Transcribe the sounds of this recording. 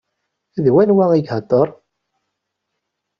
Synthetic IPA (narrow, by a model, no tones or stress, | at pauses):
æðwænwæŋiɡhət̪ˤːəɾˤ